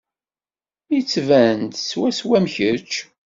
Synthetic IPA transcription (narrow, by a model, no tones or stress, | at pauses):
jit͡sːvænt̪swæswæmçət͡ʃ